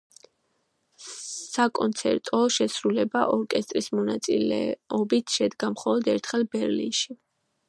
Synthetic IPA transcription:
sakʼɔnt̪sʰɛ̰ɾt̪ʼɔʃɛsɾulɛbaʔɔɾkʼɛst̪ʼɾismɔnat̪sʼḭlɛ̰ɔbit̪ʰʃɛd̪ɡamχɔlˠɔd̪ɛɾt̪ʰχɛlˠbɛɾlḭnʃi

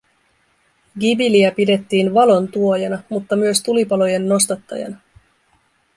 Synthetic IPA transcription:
ɡibiliæpide̞t̪ːiːnʋɑlo̞nt̪uo̞jɑnɑmut̪ːɑmyøst̪ulipɑlo̞je̞nːo̞st̪ɑt̪ːɑ̰jɑ̰nɑ

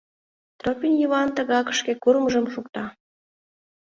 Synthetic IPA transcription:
t̪ropʲinjəβɑnt̪ə̆ɣɑkə̥̆ʃkʲekuɾməʒəmʃuk̚t̪ɑ

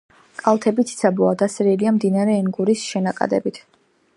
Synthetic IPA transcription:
kʼalˠt̪ʰɛbit̪ʰi̥sʰabɔad̪asɾiliamd̪inaɾɛːŋɡuɾisʃɛnakʼa̰d̪ɛ̰bit̪ʰ

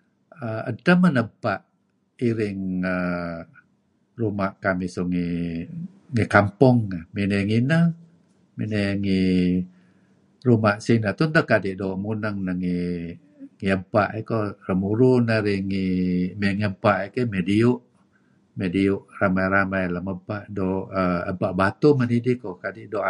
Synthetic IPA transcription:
əə̰təmənəmpaʔ | iɾɪŋə | rumaʔkamisuŋi | ŋikampɔŋːaminəŋinə | mineŋi | rumaʔsinat̪unt̪əkadiʔdoʔmunəŋnəŋi | ŋiəmpaʔekorəmuɾunaɾiŋimeŋiəmpaʔikəmediuʔ | mɛdiuʔramajɾamajləməpaʔdoʔəə̰paʔbat̪umənidikokadiʔdo

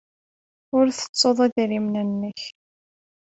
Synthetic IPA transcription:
ʊɾθə̥t͡sˤːoðˤæðɾimnənːəç

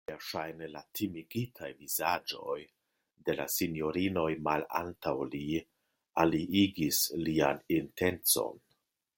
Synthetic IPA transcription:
iaʃajnelatʰimiɡitʰajvizad͡ʒo̞̰j | de̞la̰sinjo̞ɾino̞jmala̰ntawli | aliiɡislia̰ninte̞nt͡so̞̰n

